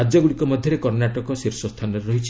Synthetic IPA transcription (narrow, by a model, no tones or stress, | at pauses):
ad͡ʒɔɡuɽikɔmɔd̪ʱjɔɾekɔɾnaʈɔkɔsiɾsɔst̪ʰanɔɾeɾɔɦit͡ʃʰi̥